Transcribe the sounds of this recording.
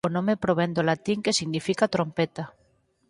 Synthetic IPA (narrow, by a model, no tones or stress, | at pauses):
onõmepɾoβɛnd̪olat̪iŋkesiɣnifikat̪ɾompɛt̪a